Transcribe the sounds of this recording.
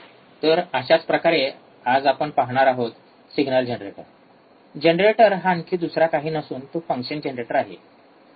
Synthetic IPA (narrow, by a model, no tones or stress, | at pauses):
t̪əɾəɕat͡spɾəkaɾe | ad͡zapəɳpaɦɽ̃aɾaɦot̪ | siɡnald͡ʑenɾeʈə̰ɾ | d͡ʑenɾeʈəɾɦankiːd̪usɾakaɦiːnəsuːnt̪ofəŋkɕənd͡ʑenɾeʈəɾaɦḛ